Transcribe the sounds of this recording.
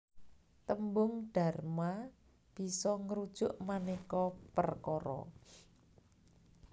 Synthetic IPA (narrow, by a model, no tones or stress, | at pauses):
t̪əmbʊŋɖ̥a̤rma | b̥i̤sɔŋɾud̥ʒ̥ʊʔmanikɔpərkɔɾɔ̰